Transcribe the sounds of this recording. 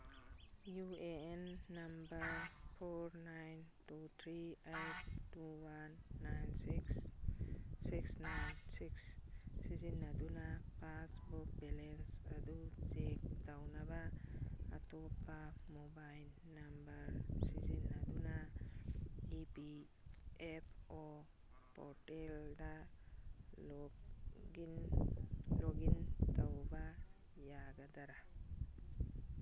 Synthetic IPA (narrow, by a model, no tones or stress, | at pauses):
juenːambəɾpʰɔɾnajntut̪ʰɾiajtʰtuwanːajnsiks | siksnajnsikssizinːadunapasbɔk̚bɛlensadusek̚dawnabaː | tɔpamobajl | nambaɾsizinːaduna | ipi | epʰɔ | pʰɔtelda | lɔ | in | lɔɡintawba | jaɡadaɾa